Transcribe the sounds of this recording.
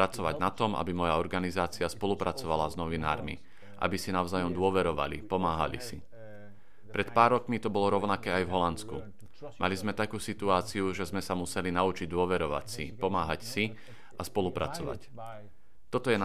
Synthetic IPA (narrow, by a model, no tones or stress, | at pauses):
ɾat͡sɔʋaɟnat̪ɔma̰bimɔjaɔɾɡanizaːt͡siaspɔlupɾat͡sɔʋalaznɔʋina̰ːɾmḭ | ʔa̰bisinaʊzaːjɔmd̪ʊɔʋɛɾɔʋa̰lḭpɔmaːɦa̰lḭsi | pɾɛt̪paːɾːɔkmit̪ɔbɔlɔɾɔʊnakɛːajvɦɔlant͡sku | malizmɛt̪akuːsit̪uaːt͡siuʒɛzmɛsamusɛlinaut͡ʃiɟ̚d̪ʊɔʋɛɾɔʋa̰csḭpɔmaːɦacsi | ʔaspɔlupɾat͡sɔʋa̰c | t̪ɔt̪ɔjɛn